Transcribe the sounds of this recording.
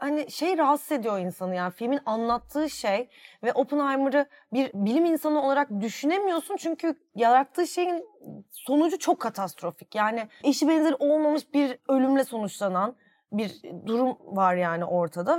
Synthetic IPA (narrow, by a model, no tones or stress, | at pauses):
hanɪʃe̞jɾaɦasze̞d̪ijoinsanɯjaːnifilʲminanlˠat̪ʰːɯːʃejvɛʔo̞pʰɯnajmɯɾɯ | biɾbilʲiminsanɯo̞lˠaɾak̚d̪yʃyne̞mijo̞sunt͡ʃʰyɲcʰy | jaɾat̪ʰːɯːʃe̞jinso̞nud͡ʒut͡ʃʰo̞kʰːat̪ʰast̪ɾo̞fi̥cjaːnɪiʃibɛnzeɾiʔo̞lˠmamɯʃbiɾø̞lʲymlʲɛso̞nut͡ʃlˠanan | biɾd̪uɾumvaɾjaːnɪʔo̞ɾt̪ʰad̪a